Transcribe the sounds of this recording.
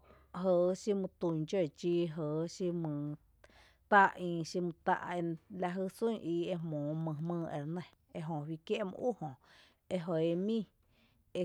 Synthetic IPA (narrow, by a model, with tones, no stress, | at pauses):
ɦə˨ʃi˧mɨ̃˧t̪u˧˨ɲd͡ʒe˦˨t͡ʃiː˦˧˦ɦəː˨˦ʃi˧mɨ̃˧ | t̪a˦ʔĩ˧ʃi˧mɨ̃˧t̪a̰˦˧ʔe˧la˧ʔɦɨ˦˧sũ˦ʔiː˧e˧mõː˨mɨ̃˧mɨ̃ː˦˧ḛ˨ɾnə̃˧˨ | e˧ʔɦõ˨wi˧kje˦ʔmɨ̰̃˧ʔu˦hõ˨ | e˧ɦo˨e˧mĩ˦˧ | e˧